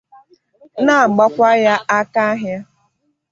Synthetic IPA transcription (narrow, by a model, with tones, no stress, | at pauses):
na˦˨ɡ͡ba˦kʷa˦ja˦ʔa˦ka˦ɦja˦